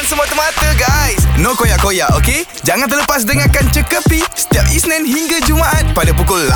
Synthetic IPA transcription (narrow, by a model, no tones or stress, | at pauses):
nsəmuat̪əmat̪əɡajsnokojaʔkojaʔoke | d͡ʒaŋãnt̪ərləpas̬dəŋakant͡ʃəkəpisə̥t̪iap̚isnɛ̃nɦiŋɡad͡ʒumaʔat̪̚padapukʊlːa